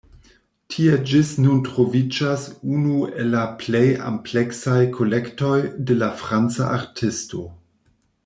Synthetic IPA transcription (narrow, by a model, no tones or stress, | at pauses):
tʰied͡ʒisnuntɾo̞vid͡ʒasunuelːapleja̰mpleksajkʰo̞lekto̞jdelafɾant͡sa̰ʔaɾtʰisto̞